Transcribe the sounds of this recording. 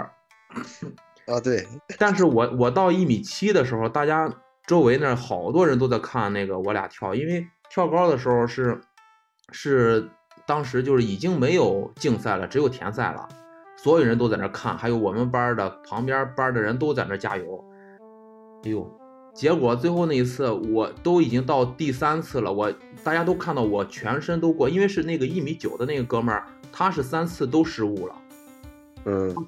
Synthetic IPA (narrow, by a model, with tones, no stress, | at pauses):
t̪we˥˩ɪt̪a˥˧nʂɻ̩˥˩wɔ˨˩wɔ˨˩t̪ɑ˥˧ʊi˥˩mi˨˩t͡ɕʰi˥d̪ə˨ʂɻ̩˧˥xo˧ʊt̪a˥˩t͡ɕja˥ | ʈ͡ʂo˥ʊwe˧˥ɪnə˥˩xɑ˨˩ʊt̪wɔ˥ɻə˧˥nt̪̬o˥ʊt͡sa˥˧ɪkʰa˥˧nna˥˩ɡə˩wɔ˧˥lja̰˨˩t̪ʰjɑ˥˩ʊi˥nwe˥˧ɪ | t̪ʰjɑ˥˩ʊkɑ˥ʊd̪ə˨ʂ̬ɻ̩˧˥xo˧ʊʂɻ̩˥˧ | ʂɻ̩˥˩ | t̪ɑ˥ŋʂ̬ɻ̩˧˥t͡ɕjo˥˧ʊʂɻ̩˥˩i˨˩t͡ɕi˥ŋme˧˥ɪjo˨˩ʊt͡ɕi˥˧ŋsa˥˩ɪlə˩ʈ͡ʂɻ̩˧˥jo˨˩ʊt̪ʰjɛ˧˥nsa˥˩ɪlə̰˩swɔ˧˥jo˨˩ʊɻə˧˥nt̪o˥ʊt͡sa˥˩ɪʈ͡ʂə˧˥kʰa˥˩nxa˧˥ɪjo˧˥ʊwɔ˨˩mə˦npa˥d̪ə˨pʰɑ˧˥ŋpja˥pa˥d̪ə˨ɻə˧˥nt̪̬o˥ʊt͡sa˥˩ɪʈ͡ʂə˧˥t͡ɕja̰˥jo˧˥ʊ˧˥ | jo˥˩ | t͡ɕjɛ˧˥kwɔ˨˩˦t͡swe˥˧xo˥˧ʊna˥˩i˧˥t͡sʰɹ̩˥˩wɔ˨˩t̪o˥ʊi˨˩t͡ɕi˥ŋt̪ɑ˥˧ʊt̪i˥˩sa˥nt͡sʰɹ̩˥˩lə˩wɔ˨˩ | t̪a˥˩t͡ɕja˥t̪o˥ʊkʰa˥˧nt̪ɑ˥˩ʊwɔ˨˩t͡ɕʰɥɛ˧˥nʂə˥nt̪̬o˥ʊkwɔ˥˩i˥nwe˥˧ɪʂɻ̩˥˧ne˥˩ɡə˩i˥˩mi˧˥t͡ɕjo˨˩ʊd̪ə˦ne˥˩ɡə˩kɤ˥mə̰˞˥˧˩ | t̪ʰa˥ʂɻ̩˥˩sa˥nt͡sʰɹ̩˥˩t̪̬o˥ʊʂɻ̩˥˧u˥˩lə̰˩ | n̩˥˩